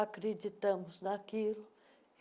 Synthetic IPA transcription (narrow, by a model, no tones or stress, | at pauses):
akɾed͡ʒit̪ɐ̃mʊznakilʊ